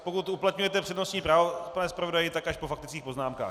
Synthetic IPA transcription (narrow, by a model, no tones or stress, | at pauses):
pokut̪uplat̪ɲujɛt̪ɛpr̥ɛdno̞st̪ɲiːpɾaːvopanɛspɾavodajɪt̪akaʃpofakt̪ɪ̥t͡skiːpo̞znaːmka̰ː